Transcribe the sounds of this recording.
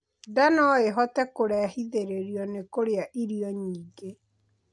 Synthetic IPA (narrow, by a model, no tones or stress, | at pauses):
danɔeɦɔtɛkoɾɛahiðeɾeɾiɔnekoɾeaʔiɾiɔɲiːɡe